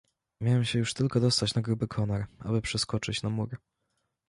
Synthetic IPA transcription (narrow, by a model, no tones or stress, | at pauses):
mʲjawɛmɕɛjuʂt̪ɘlkɔd̪ɔst̪at͡ɕnaɡɾubɘkʰɔnɔɾʔa̰bɘpʂɘskɔt͡ʂɘt͡ɕnamuɾ